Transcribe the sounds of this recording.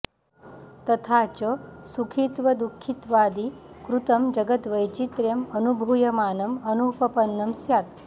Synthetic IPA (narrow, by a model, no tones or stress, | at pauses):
t̪ɐt̪ʰat͡ʃəsukʰit̪ʋɐd̪ukʰːit̪ʋaːd̪i | kɾut̪ɐmd͡ʒɐɡət̪ʋəjt͡ʃit̪ɾemənubʱujɐmaːnɐmənupɐpənːɐmsjaːt̪